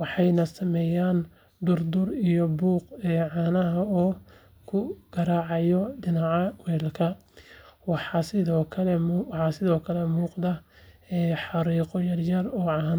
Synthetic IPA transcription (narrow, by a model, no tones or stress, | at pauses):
wɑħɑjnɐsɐmɛːjaːn | d̪ʊrd̪ʊrijɔbuːqɛːʕɑːnɐɦɐɔː | kʰʊɡ̥ɐɾaːʕɑjɔɖɪnɑʕɑwɛːlkʰɐ | wɑħɑsɪðɔːkʰɐlɛmwɑħɑːsɪðɔːkʰɐlɛmuːqd̪ɐɛːħɑɾiːqɔjɐrjɐrɔːʕɑːn